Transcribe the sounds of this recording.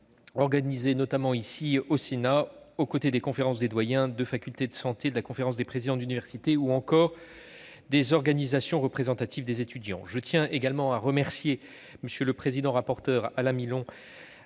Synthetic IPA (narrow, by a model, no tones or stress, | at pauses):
ɔʁɡanizenɔt̪amɑ̃isiosenaokot̪ed̪ekɔ̃feʁɑ̃sd̪ed̪wajɛ̃d̪əfakʲylt̪ed̪əsɑ̃t̪ed̪əlakɔ̃feʁɑ̃sd̪epχezid̪ɑ̃d̪ynivɛʁsit̪euɑ̃kɔːʁ | d̪ezɔʁɡanizasjɔ̃ʁəpχezɑ̃t̪at̪ʰivd̪ezet̪yd̪jɑ̰̃ʒət̪jɛ̃ʔeɡalmɑ̃aʁəmɛʁsje | məsjələpχezid̪ɑ̃ʁapɔʁt̪œʁalɛ̃milɔ̃